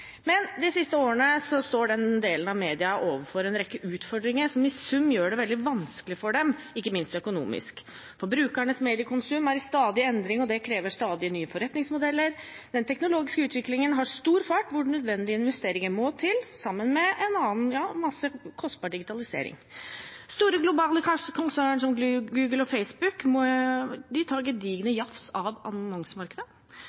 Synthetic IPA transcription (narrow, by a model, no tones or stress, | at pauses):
mɛnd̪ɪsɪst̪əoːəɳəsɔst̪oːɖɛnd̪eːlənɑʋmeːd̪ɪɑʔoːʋəɾfɔɾɛnɾɛkːəʔʉːt̪fɔɖɾɪŋəsɔmɪsʉmːjøːɖɛʋɛld̪ɪʋɑnskəlɪfɔɖɛm | ɪkːəmɪnst̪œkʊnṵːmɪ̰sk | fɔɾbɾʉːkæɳəsmeːd̪ɪəkʰʊnsʉmæɾst̪ɑːd̪ɪɛnd̪ɾɪŋɔd̪ɛkʰɾeːʋəʂt̪ɑːd̪ɪənyːəfɔɾɛt̪nɪŋsmʊd̪ɛlːəɾ | d̪ɛnt̪ʰɛknʊloːɡɪskəʉːt̪ʰʋɪklɪŋənɦɑʂt̪uːɾfɑʈʋʊɖɳœd̪ʋɛnːd̪ɪəɪnʋɛst̪eːɾɪŋəmɔt̪ʰɪlsɑmːənmɛʔɛnɑːənjɑːmɑsəkʰɔst̪̚bɑːɖɪɡɪt̪ʰɑlɪsḛːɾɪ̰ŋst̪uːɾəɡlʊbɑːləkʰɑʂəkʰʊnsæːɳəɳʂɔmɡʉːɡəlɔfeɪsbʉkmɔd̪ɪt̪ʰɑːɾɡɛd̪iːɡənəjɑfsɑʋɑ̰nɔŋsəmɑɾkəd̪ə